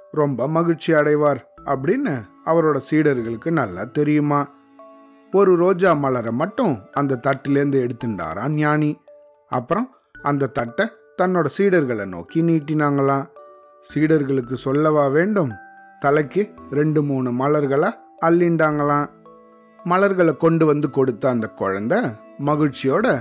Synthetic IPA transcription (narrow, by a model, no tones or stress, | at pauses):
ɾɔmbɐmɐɣɪɾt͡ʃɪɐɽɐɪʋaːɾɐp̬ːɐɽɪnːɯ | ɐʋɐɾoːɽɐsiːɽɐɾɣɐɭɯkːɯnɐlːɐ̰t̪ɛɾɪjɯmaː | ɔɾɯɾoːd͡ʒaːmɐlɐɾɐmɐʈːɯ̃ɐnd̪ɐt̪ɐʈːɪlɪɾɯnd̪ɯɛɽɯt̪ːɯɳɖa̰ːɾã̰ːnjaːni | ɐ̰pːɯɾɔ̃ | ɐnd̪ɐt̪ːɐʈːɐ | t̪ɐnːoːɽɐsiːɽɐɾɣɐɭɐno̰ːkiniːʈːɪnaːŋɡɐɭãː | siːɽɐɾɣɐɭɯk̬ːɯsɔlːɐʋaːʋeːɳɖɯmt̪ɐlɐɪkːɯɾɛɳɖɯmuːnɯmɐlɐɾɣɐɭɐ | ɐɭːɪɳɖaːŋɡɐɭãː | mɐlɐɾɣɐɭɐkɔɳɖɯʋɐnd̪ɯkɔɽɯt̪ːɐɐnd̪ɐkɔɻɐnd̪ɐ | mɐɣɪɻt͡ʃːɪjoːɽɐ